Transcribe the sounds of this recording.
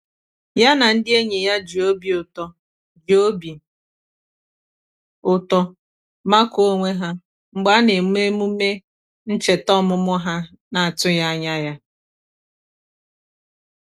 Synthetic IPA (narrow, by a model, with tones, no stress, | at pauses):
ja˦na˨n̩˦dɪ˦e˦ɲe˨ja˦d͡ʒi˨o˦bi˨ʊ˨tɔ˨ | d͡ʒi˨o˦bi˨ | ʊ˨tɔ˦ | ma˦ko˦ŋʷe˦ɦa˦ | ŋ͡m̩˨ɡ͡ba˦ne˨m˦e˦mu˦me˦ | n̩˦t͡ʃe˨tɔ˦mʊ˦mʊ˦ɦa˦ | na˨a˨tʊ˦ja˦a˦ɲa˦ja˦